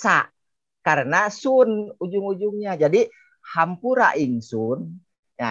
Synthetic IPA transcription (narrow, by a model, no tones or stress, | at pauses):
sa̰ʔ | kaɾənasunud͡ʒuŋud͡ʒuŋɲad͡ʒadi | hampuɾa̰ʔiŋsun | ja